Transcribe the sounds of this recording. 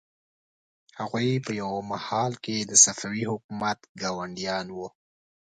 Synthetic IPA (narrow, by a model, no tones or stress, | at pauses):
haɣujpəjawmahɑlked̪əsafawihʊk̚umat̪ɡɑwaɳɖijɑnwu